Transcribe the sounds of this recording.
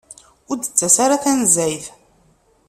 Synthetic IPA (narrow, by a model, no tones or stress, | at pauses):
ʊɾd̪ət͡sːæsaɾaθænzæjθ